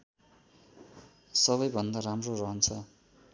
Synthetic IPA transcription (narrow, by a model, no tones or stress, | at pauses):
sʌβʌjbʱʌnd̪aramrorʌɦʌnt͡sʰʌ